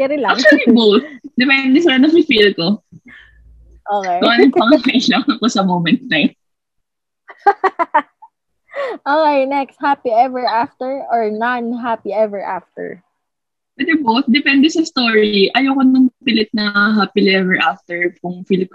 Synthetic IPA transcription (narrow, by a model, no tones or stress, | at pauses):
kɛɾɪlat͡ʃlibowθd̪ɛpɛnd̪ɛsɪlanɐŋfɪfilko | ʔokekʊʔanɐŋppɐŋahɐʔɪlaŋɐŋkosɐmowmɛnt̪̚nɐjon | ʔoːkejnɛkst̪̚hapiʔɛvɛɹʔaft̪ɛɹʔɔɹnanɦapiɛvɛɹʔa̰ft̪ɛ̰ɹ | bɛd̪ɛbowθ̚d̪ɛpɛnd̪ɛsɐst̪oɹiʔɐjoːkonɐŋɐpɪlɪt̪̚nɐɦaːpilɛvɛɹʔaft̪ɛɹpʊŋfilk